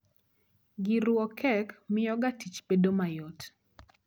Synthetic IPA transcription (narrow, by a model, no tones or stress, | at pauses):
ɡɪɾwɔkɛkmɪjɔɡatit͡ʃpedomajot